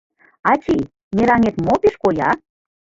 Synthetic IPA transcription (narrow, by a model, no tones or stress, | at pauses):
ɑt͡ɕʲi | meɾɑŋet̪mopeʃkojɑ̰